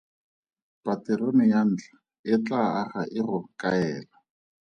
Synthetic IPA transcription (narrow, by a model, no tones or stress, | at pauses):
pʼatɪɾonɪjan̩ːt͡ɬḁ | ɪt͡ɬʼaaχaʔɪrʊkʼaɛːla